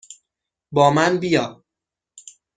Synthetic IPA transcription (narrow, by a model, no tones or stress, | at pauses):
bɒːmænbijɒː